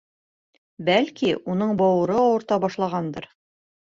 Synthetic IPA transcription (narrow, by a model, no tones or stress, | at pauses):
bælkiunɤɴbɒwɤ̆ɾɤɒwɤ̆ɾt̪ɑbɑʃlˠɑʁɑnd̪ɤɾ